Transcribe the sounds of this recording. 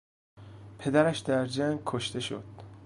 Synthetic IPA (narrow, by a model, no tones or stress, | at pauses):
pʰe̞d̪æɾæʃd̪æɾd͡ʒæŋɡkʰoʃt̪e̞ʃo̰d̪̥